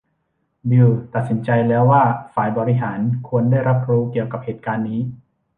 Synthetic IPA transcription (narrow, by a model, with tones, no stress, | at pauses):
bi˧t̪a˨˩t̪̚si˩˦nt͡ɕa˧jlɛː˦˥wːaː˥˩faː˨˩˦jbɔː˨˩ɾi˦˥ɦaː˩˦nkʰu˧əndaː˥˩jɾa˦˥p̚ɾuː˦˥ki˨˩əwka˨˩p̚heː˨˩t̪̚kaː˧nːiː˦˥